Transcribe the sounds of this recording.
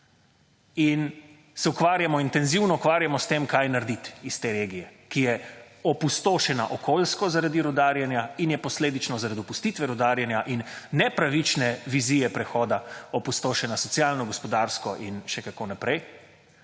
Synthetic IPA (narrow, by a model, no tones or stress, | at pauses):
in | sɛukʋaːɾjamɔint̪ɛnziwnɔukʋaːɾjamɔst̪eːmkajnaɾd̪it̪ist̪eːɾeːɡijɛkijɛɔpust̪oːʃɛnaʔɔkʰoːlskɔzaɾad̪iɾɔd̪aːɾjanjainjɛpɔsleːd̪it͡ʃnɔzaɾad̪iɔpust̪it̪ʋɛɾɔd̪aːɾjanjaʔinːɛpɾaʋit͡ʃnɛʋiziːjɛpɾɛxɔːd̪aɔpust̪oːʃɛnasɔt̪sjaːlnɔɡɔspɔd̪aɾskɔʔinʃɛkakonapɾɛj